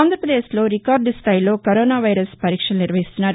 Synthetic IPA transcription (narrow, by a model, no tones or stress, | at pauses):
aːnd̪ɾɐpɾɐd̪eːslo̞ːɾikaːɾɖst̪ʰaːjilo̞ːkɐɾoːnaːʋɐjɾɐspɐɾiːkʂɐluniɾʋɐɦist̪unːaːɾu